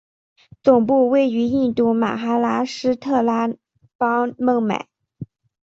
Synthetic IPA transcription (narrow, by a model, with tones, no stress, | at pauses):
t͡sʊ˨˩ŋpu˥˧we˥˩ɪy˧˥i˥˧nt̪u˥˩ma̰˨˩xa˥la˧˥ʂɻ̩˥t̪ʰɤ˥˩la˥ | pɑ˥mɤ˥˩ŋma̰˨˩˦ɪ